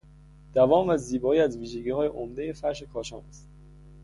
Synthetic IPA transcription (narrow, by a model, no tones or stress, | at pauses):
d̪̥ævɒːmvæziːbɒːiːæzviːʒeɟiːhɒːjeʔomd̪e̞je̞fæɾʃe̞kʰɒːʃɒ̰ːnæst̪